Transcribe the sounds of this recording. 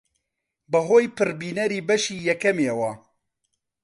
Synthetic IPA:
bɨɦoːjpɨɾbiːnɛɾiːbɛʃiːjɛkɛmeːwɑ

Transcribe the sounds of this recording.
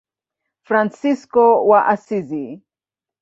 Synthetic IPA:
fɾansiskɔwaʔasizi

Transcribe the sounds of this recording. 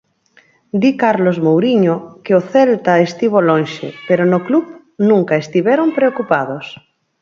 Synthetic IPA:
d̪ikaɾlozmowɾiɲokeoθelt̪aest̪iβ̞olonʲʃḛpeɾonoklup | nũŋkaest̪iβeɾompɾeokupað̞os

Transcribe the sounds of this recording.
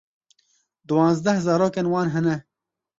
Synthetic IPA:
d̪uwɑːnzd̪ɛhzɑːɾoːkenwɑːnɦɛnɛ

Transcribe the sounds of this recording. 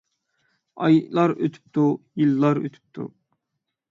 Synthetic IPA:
ɑ̰jlˠɑɾøt̪ʰy̥p̚t̪ʰujilˠːɑɾø̰t̪ʰy̥p̚t̪ʰṵ

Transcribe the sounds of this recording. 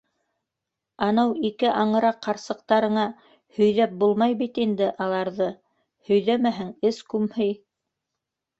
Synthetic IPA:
ɑnɤwikɘʔɑɴɤ̆ɾɑqːɑɾsɤ̆q̚t̪ɑɾɤ̆ɴɑ | hɵ̆jðæp̚bulˠmɑjbit̪ind̪ɘʔɑlˠɑɾðɤ | hɵ̆jðæmæɦɘŋɘskʉmhɘj

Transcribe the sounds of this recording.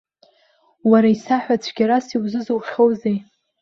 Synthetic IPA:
waɾaisaħᶣʷat͡sʷʰɡʲaɾasiwzɨzɨwχʲowzej

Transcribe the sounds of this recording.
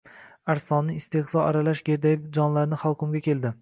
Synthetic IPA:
aɾsɒnːɪɪst̪ehzɒa̰ɾalaʃɡʲe̞ɾd̪ajɪp̚d͡ʒɒnlaɾnɪχawˠkʰʊmɡʲakʲʰe̞ld̪ɪ

